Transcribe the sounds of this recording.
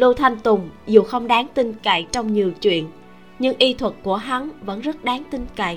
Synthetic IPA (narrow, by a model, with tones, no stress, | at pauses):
lu˧t̪ʰa˧jŋ̟t̪ʊ˨˩ŋ͡mzu˨˩xə˧wŋ͡mɗaː˨˦ŋt̪ï˧ŋka̰˧˨jt͡ɕɔ˧wŋ͡mɲi˨˩əwt͡ɕwḭ˧˨ən | ɲɨ˧ŋʔi˧t̪ʰwə˨˩t̚ku˧˩əɦa˨˦nvə̰˧˥nzə˦˥t̚ɗaː˨˦ŋt̪ï˧ŋka̰˧˩˨j